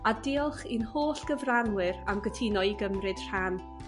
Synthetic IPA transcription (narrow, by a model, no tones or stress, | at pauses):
adeːɔlˠχinhoːɬɡ̥əvranwɨɾamɡətʰinɔiɡəmrɨd̥r̥an